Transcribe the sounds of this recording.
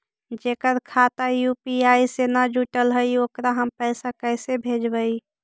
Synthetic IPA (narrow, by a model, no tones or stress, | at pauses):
d͡ʒekəɾkʰat̪ajupiaisenad͡ʒuʈəlɦəjokɾaɦəmpəɪsakəɪsebʱed͡ʒbəi